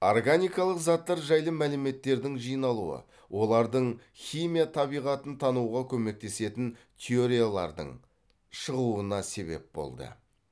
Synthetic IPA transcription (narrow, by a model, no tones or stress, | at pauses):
o̞rɡanijkɑlˠəqzɑt̪ːɑɾʒɑjlˠəmælɪme̞t̪ːe̞ɾd̪ɪŋʒijnɑlˠuə̰ | wʔo̞lˠɑɾd̪əɴ | χʲijmijat̪ʰɑβijʁɑt̪ənt̪ʰɑnuʁɑkʲʰɵme̞k̚t̪e̞se̞t̪ɪn | t̪ʲʰeoɾijalˠɑ̰ɾd̪ə̰ɴ | ʃəʁuənɑse̞βbe̞̰p̚bo̞̰lˠd̪ə̰